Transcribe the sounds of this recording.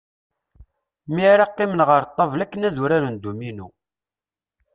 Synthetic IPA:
miɾɑqːɪmənʁəɾt̪ˤːɑvlækːənæðuɾaɾund̪uminu

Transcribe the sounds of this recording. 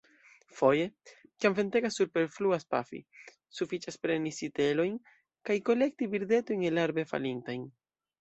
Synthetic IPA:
fo̞je̞kiamve̞nte̞ɡasːuɾpe̞ɾfluaspafḭ | sufit͡ʃaspɾe̞nisite̞lo̞jn | kajko̞le̞k̚tiviɾde̞to̞jnelaɾbe̞fa̰lintajn

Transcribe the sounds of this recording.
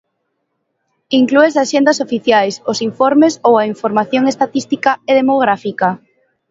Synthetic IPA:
iŋklues̬aʃend̪ɐsofiθjajsosiɱfoɾmesowɐiɱfoɾmaθjoŋest̪at̪ist̪ikaeðemoɣɾafika

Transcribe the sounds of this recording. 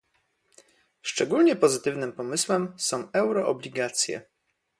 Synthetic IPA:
ʂt͡ʂɛɡulɲɛpɔzɘt̪ɘvnɘmpɔmɘswɛmsɔ̃w̃ɛwɾɔʔɔblʲiɡat̪sʲjɛ̰

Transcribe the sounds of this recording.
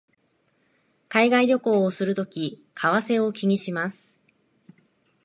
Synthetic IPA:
kaiɡaiɾʲo̞ko̞ːosɨɾɯ̟t̪o̞kʲikʰaβase̞o̞kʲiɲ̟iɕimasɨ̥

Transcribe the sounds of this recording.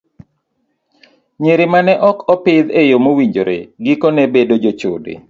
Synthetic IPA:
ɲeɾemanɛʔɔkɔpɪd̪ejomowiɲd͡ʒoɾḛɡikonɛbedod͡ʒot͡ʃodḛ

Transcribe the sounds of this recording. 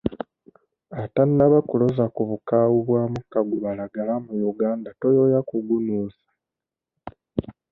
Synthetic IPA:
atanːaβakulozakuβukaːwuβwaːmukaɡuβalaɡalamujuɡaːndatojojakuɡunuːsḁ

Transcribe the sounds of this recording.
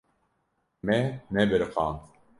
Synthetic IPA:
mɛmɛbɪɾqɑːn

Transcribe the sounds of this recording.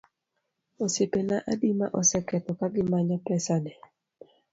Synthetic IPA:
osepenaʔadima̰ʔɔsɛkɛt̪ɔkaɡɪmaɲɔpɛsanɛ

